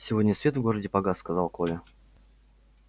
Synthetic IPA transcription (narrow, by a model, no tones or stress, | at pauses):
sʲɪvodʲnʲəsvʲet̪vɡo̞ɾədʲɪpɐɡaskɐzalˠkolʲɪ